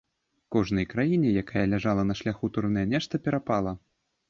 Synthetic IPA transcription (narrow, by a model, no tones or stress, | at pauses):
kɔʐnɐjkɾajinʲɛjakajɐlʲaʐalˠɐnɐʂlʲaxut̪uɾnɐjɐnʲɛʂt̪ɐpʲɛɾapalˠɐ